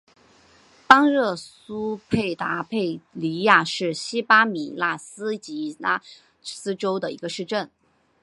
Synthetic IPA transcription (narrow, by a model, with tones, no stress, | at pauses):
pɑ˥ŋɻɤ˥˩su˥pʰe˥˩ɪt̪a˧˥pʰe˥˩ɪli˧˥ja˥˧ʂɻ̩˥˩ɕi˥pa˥mi˨˩la˥˩sɹ̩˥t͡ɕi˧˥la˥˩ | sɹ̩˥ʈ͡ʂo˥ʊd̪ə˨i˧˥ɡə˧ʂɻ̩˥˧ʈ͡ʂə˥˩n